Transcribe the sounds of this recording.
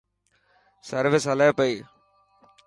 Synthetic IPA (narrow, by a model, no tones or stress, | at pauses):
sɐɾʋɪsɦɐlɐːpɐiː